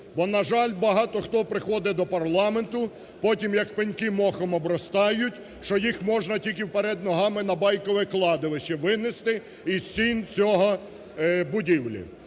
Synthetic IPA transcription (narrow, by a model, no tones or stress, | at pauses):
bɔnɐʒɑlʲbɐɦɑt̪ɔxt̪ɔpɾɪxɔd̪ɛd̪ɔpɐrlˠɑment̪ʊ | pɔtʲimjɐkpɪnʲkɪmɔxɔmɔbɾɔst̪ɑjʊtʲ | ʃt͡ʃɔjixmɔʒnɐtʲilʲkɪwpeɾɛd̪nɔɦɑmɪnɐbɑjkɔʋɪklˠɑd̪ɪʋɪʃɛʋɪnɪst̪ɪ | isʲint͡sʲɔɦɔ | bʊdʲiwlʲḭ